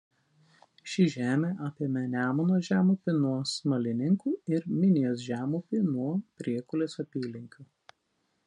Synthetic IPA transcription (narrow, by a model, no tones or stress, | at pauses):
ʃʲɪʒʲæːmʲeːʔaːpʲiɛmʲɛnʲæːmɐnoːʒʲæːmʊpʲɪnuɔsmɐlʲɪnʲɪŋkuːɪɾmʲɪnʲɪjoːsʒʲæːmupʲɪnuɔpʲɾʲiɛkʊlʲeːsɐpʲiːlʲɪŋʲkʲuː